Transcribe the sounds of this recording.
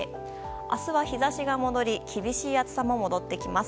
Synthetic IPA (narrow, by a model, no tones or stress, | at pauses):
a̰sɨβaçizaɕiɡamo̞d̪o̞ɾʲikʲʰibʲiɕiːat͡sɨ̥samo̞mo̞d̪o̞t̪ːe̞kʲimas